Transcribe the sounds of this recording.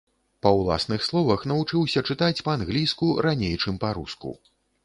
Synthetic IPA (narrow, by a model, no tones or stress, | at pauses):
pɐwlˠa̰snɨxslˠɔvɐxnɐvut͡ʂɨwsʲɐt͡ʂɨt̪at͡sʲpɐanɣlʲijskuɾanʲejt͡ʂɨmpaɾṵskṵ